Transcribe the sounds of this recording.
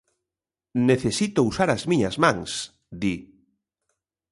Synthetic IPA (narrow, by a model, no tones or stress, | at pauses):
neθesit̪ousaɾazmĩɲazmãŋs | d̪i